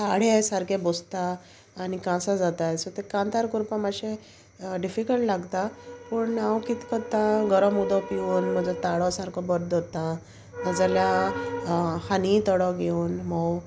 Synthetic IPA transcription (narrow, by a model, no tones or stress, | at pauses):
t̪aɽ̤jasaɾkʰebost̪aː | nikãsad͡zat̪ajsɔt̪ekãnt̪aɾkuɾpãmaɕe | ɖifikəlʈlaɡt̪apəɳawkit̪kət̪ãɡəɾɔ̃mud̪ɔpiuːnm̤əd͡zat̪aɽɔsaɾkʰɔbəɾd̪ɔt̪ã | nad͡zalja | hanit̪ɔɽɔɡeuːnmɔw